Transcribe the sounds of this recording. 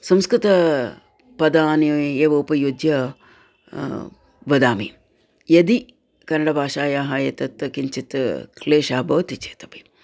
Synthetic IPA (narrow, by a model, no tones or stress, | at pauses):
sɐmskɾɪt̪ɐ | pɐd̪aːnieːʋoːpɐjud͡ʒ̪jɐ | ʋɐd̪aːmi | jɐd̪i | kɐnɐɽɐbʱaːʃaːjaːɦaːjɐt̪ɐt̪ːkiɲt͡ʃit̪kleːʃaːbɐʋɐt̪it͡ʃeːt̪ɐ̥pi̥